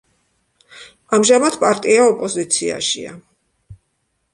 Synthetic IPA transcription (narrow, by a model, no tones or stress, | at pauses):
amʒamad̪pʼaɾt̪ʼiaɔpʼɔzit̪sʰia̰ʃḭa̰